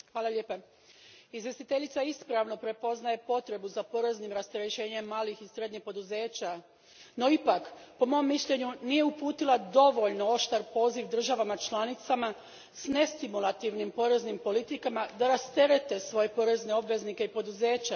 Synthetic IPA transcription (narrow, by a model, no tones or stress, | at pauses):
xʋaːlˠalʎe̞ːpa | izʋje̞st̪it̪e̞ʎit̪saispɾaʋno̞pɾe̞po̞znaje̞po̞t̪ɾe̞buzapo̞ɾe̞znimɾast̪eɾeʃe̞ːɲe̞mːaːlixisɾe̞d̪ɲixpo̞d̪uze̞ːt͡ɕa | no̞ipakpo̞mo̞mːiʃʎe̞ɲunije̞upuːt̪ilˠad̪o̞ʋo̞ʎnoo̞ʃt̪aɾpo̞ːziʋd̪r̩ʒaʋamat͡ʃlˠanit̪sama | sne̞st̪imulˠat̪iʋnimpo̞ɾe̞znimpo̞lit̪ikamad̪aɾast̪e̞ɾe̞t̪e̞sʋo̞je̞po̞ɾe̞zne̞o̞bʋe̞znike̞ipo̞d̪uze̞ːt͡ɕa